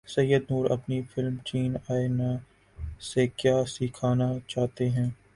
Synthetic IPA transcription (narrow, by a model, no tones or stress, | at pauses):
sɐjːəd̪nuːɾɐ̰pnifɪlmt͡ʃiːnaːena | sekjaːsiːkʰaːnat͡ʃaːɦt̪eɦɛ̃ː